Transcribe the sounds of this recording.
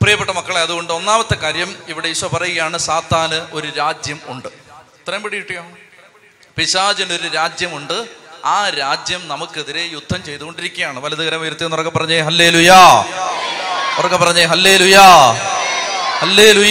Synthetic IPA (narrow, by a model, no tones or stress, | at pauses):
prijɐpːeʈːɐmɐkːɐɭeɐðuɣo̞ɳɖɨo̞nːaːmɐt̪ːekaːɾjɐmiʋiɽeiɕʋɐpɐrɐjuɣɐjaːɳɨsaːt̪ːaːnɨʔo̞ɾuɾaːd͡ʑjɐmuɳɖɨ | t̪rɐmbɐɽijiʈːikaː | piɕaːd͡ʑɐno̞ɾuɾaːd͡ʑjɐmuɳɖɨaːɾaːd͡ʑjɐmnɐmukːeðiɾe̞jud̪ʱːɐmt͡ɕe̞jt̪uɣo̞ɳɖiɾikʲːɐjaːɳɨʋɐlɐðiɣɐɾɐmɐjɐɾt̪ːijnːurɐkːɐpːɐrɐɲːɐɦɐlːe̞ːlujɐ | orɐkːɐpːɐrɐɲːɐɦɐlːe̞ːlujɐ | hɐlːe̞ːluj